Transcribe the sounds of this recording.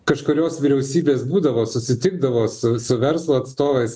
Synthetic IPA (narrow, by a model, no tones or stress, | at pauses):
kɐʃkʊɾʲoːsʋʲiːɾʲɛʊsʲiːbʲeːsbuːd̪ɐʋoːsʊsʲɪt̪ʲɪɡ̚d̪ɐʋoːssʊsʊʋʲɛɾslˠoːɐt̪st̪oːʋɐɪs